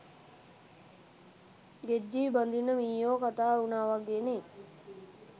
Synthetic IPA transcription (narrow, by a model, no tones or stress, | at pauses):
ɡed͡ʒːiːband̪inːəmiːjoːkat̪aːunaːʋaɡeːne